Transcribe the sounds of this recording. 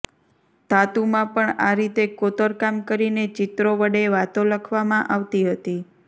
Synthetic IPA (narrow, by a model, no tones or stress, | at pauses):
d̪̥ʱat̪umãpəɳaɾit̪ekot̪əɾkamkəɾinet͡ʃɪt̪ɾoʋəɽeʋat̪õləkʰʋamãʔaʋt̪iɦət̪i